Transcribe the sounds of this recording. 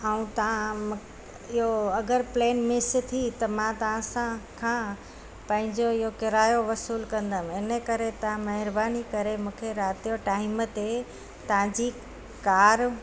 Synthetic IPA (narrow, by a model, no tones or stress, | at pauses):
əũt̪ɐʋãm | ɪɦoɐɡəɾpleːnmɪst̪ʰit̪ɐmãt̪ɐʋãsãkʰã | pɐ̃ɦɪ̃ɲd͡ʑoɪɦokɪɾaːjoʋɐsuːlkɐ̃nd̪əmɪnəkɐɾet̪ɐʋãmɐɦɪɾbaːnikɐɾemũːkʰeɾaːt̪ijoʈaːɪmət̪e | t̪ɐʋ̤ãd͡ʑi | kaːɾ